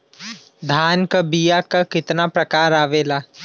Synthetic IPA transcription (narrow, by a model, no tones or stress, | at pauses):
d̪ʱaːnkabijakakɪt̪napɾɐkaːɾaːʋeːlaː